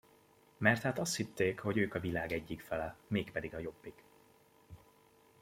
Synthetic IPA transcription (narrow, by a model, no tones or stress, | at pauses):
mɛrt̪haːt̪ɒst̪hit̪ːeːkho̞ɟøːkɒvilaːɡɛɟːikfɛlɛmeːkpɛd̪iɡɒjo̞bːiɡ